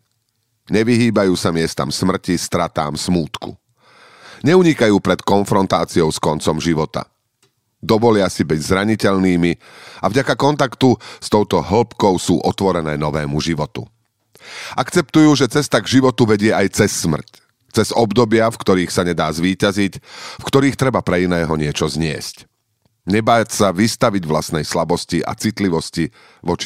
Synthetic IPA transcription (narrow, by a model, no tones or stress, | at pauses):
ɲɛʋiɦiːbajuːsamɪɛst̪a̰msmr̩cist̪ɾat̪a̰ːmsmuːt̪kṵ | ɲɛuɲikajuːpɾɛt̪kɔnfɾɔnt̪aːt͡siɔʊskɔnt͡sɔmʒiʋɔt̪a̰ | d̪ɔʋɔlɪasibɛɟzɾaɲicɛʎniːmi | avɟakakɔnt̪akt̪ust̪ɔʊt̪ɔɦl̩pkɔʊsuːʔɔt̪ʋɔɾɛnɛːnɔʋɛ̰ːmuʒiʋɔt̪ṵ | ʔakt͡sɛp̚t̪ujuːʒɛt͡sɛst̪aɡʒiʋɔt̪uʋɛɟɪɛʔajt͡sɛsːmr̩c | t͡sɛzɔbd̪ɔbɪafkt̪ɔɾiːxsaɲɛd̪aːzʋiːcazicfkt̪ɔɾiːxt̪ɾɛbapɾɛinɛːɦɔɲɪɛt͡ʃɔzɲɪɛ̰sc | ɲɛbaːcsaʋist̪aʋiɟʋlasnɛjslabɔsciʔa̰t͡sit̪liʋɔsci | ʋɔt͡ʃi̥